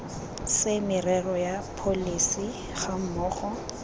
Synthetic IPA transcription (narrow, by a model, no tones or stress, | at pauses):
sɪmɪrɛrɔjapʰolisi | χam̩mɔːχɔ